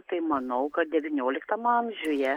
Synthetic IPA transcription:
t̪ɐɪmɐnɐʊkɐt̪̚d̪ʲɛʋʲɪnʲoːlʲɪkt̪ɐmɐmʲʒʲʊjɛ

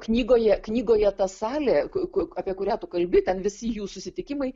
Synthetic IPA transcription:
knʲiːɡoːjɛknʲiːɡoːjɛt̪ɐsɑːlʲɛːkʊkʊɐːpʲiɛkʊɾʲæːt̪ʊkɐlʲbʲɪt̪ʲɛnʋʲɪsʲɪjuːsʊsʲɪt̪ʲɪkʲɪmɐɪ

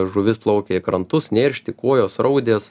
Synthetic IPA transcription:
ʒʊʋʲɪsplˠɐʊkʲeːɪkɾɐnt̪ʊsnʲeːɾʲʃʲt̪ʲɪkuɔjoːsɾɐʊd̪ʲeːs

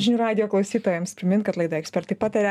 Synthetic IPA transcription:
ʒʲɪnʲuːɾɑːd̪ʲɪjoːklˠɐʊsʲiːt̪oːjɛmspʲɾʲɪmʲɪnkɐt̪lˠɐɪd̪ɐɛksʲpʲɛɾt̪ɐɪpɑːt̪ɐɾʲɛ

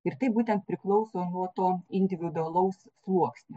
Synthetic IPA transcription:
ɪɾt̪ɐɪbuːt̪ʲɛnt̪̚pʲɾʲɪklˠɒʊsoːnuɔt̪oːɪnʲd̪ʲɪʋʲɪd̪ʊɐlˠɐʊsslˠuɔksʲnʲɪ

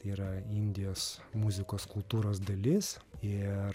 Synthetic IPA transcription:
iːɾɐɪnʲd̪ʲɪjoːsmuzʲɪkoːskʊlˠt̪uːɾoːsd̪ɐlʲɪs | ɪ

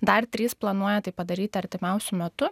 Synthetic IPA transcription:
d̪ɐrt̪ʲɾʲiːsplˠɐnuɔjɛt̪ɐɪpɐd̪ɐɾʲiːt̪ʲɪɐɾʲt̪ʲɪmʲɛʊsʲʊmʲɛt̪ʊ

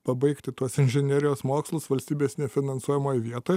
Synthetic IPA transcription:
pɐbɐɪkt̪ʲɪt̪uɔsɪnʲʒʲɛnʲeɛɾʲɪjoːsmoːkslˠʊsʋɐlʲsʲt̪ʲiːbʲeːsnʲɛfʲɪnɐnsuɔjʲɛmoːjʋʲiɛt̪oːj

